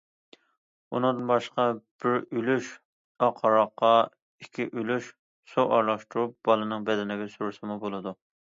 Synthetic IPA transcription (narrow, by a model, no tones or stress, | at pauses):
ṵnɨŋd̪ɨnbɑʃqɑb̥ɪɾylyʃ | ɑqʰɑɾɑqːɑ | ikʲʰiʔylyʃ | soʔɑɾlˠɑʃt̪uɾup̚b̥ɑlˠɨnɨŋbɛd̪ɛnɪɡʲɛsuɾusɨmubolˠɨd̪u